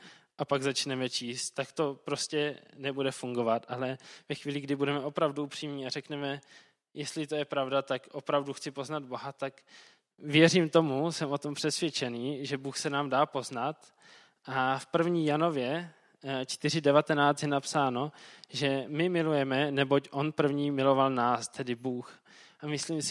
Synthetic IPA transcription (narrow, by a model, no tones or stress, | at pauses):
ʔapaɡzat͡ʃnɛmɛt͡ʃiːst̪t̪ːakt̪o̞pɾo̞scɛnɛbudɛfuŋɡo̞vat̪ʔalɛvɛxviːlɪɡdɪbudɛmɛʔo̞pɾavduupr̝̥iːmɲiːarɛknɛmɛ | jɛst̪lɪt̪ojɛpɾavdat̪akʔo̞pɾavduxt͡sɪpo̞znad̪̚bo̞ɦat̪ak | vjɛriːmt̪o̞musɛmʔo̞t̪o̞mpr̥ɛsvjɛt͡ʃɛniːʒɛbuːxsɛnaːmdaːpo̞znat̪ | ʔafpr̩vɲiːjano̞vjɛ | t͡ʃt̪ɪr̝ɪdɛvat̪ɛnaːt͡st̪jɛnapsaːno̞ʒɛmɪmɪlujɛmɛnɛbo̞cʔo̞npr̩vɲiːmɪlo̞valnaːst̪ʰɛdɪbuːx | ʔamɪsliːms